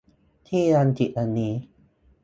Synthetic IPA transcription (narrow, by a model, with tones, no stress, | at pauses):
t̪ʰiː˥a˧nt̪i˨ʔa˧niː˨˦